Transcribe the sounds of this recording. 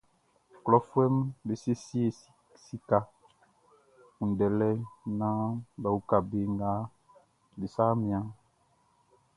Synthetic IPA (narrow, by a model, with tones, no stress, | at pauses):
klɔ˦fwɛ˦mbe˨se˦si˦e˨ | si˨ka˨ | ũ˨n̩˨dɛ˨lɛ˦nã˦ba˨wu˦ka˨be˨˦ŋɡa˦ | be˨saː˦mĩ˨˦ã˦